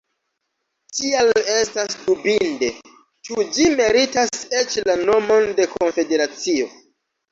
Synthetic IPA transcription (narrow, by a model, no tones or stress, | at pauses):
tiale̞stasdubinde̞ | t͡ʃud͡ʒime̞ɾitaset͡ʃlano̞mo̞nde̞ko̞nfe̞de̞ɾat͡sio̞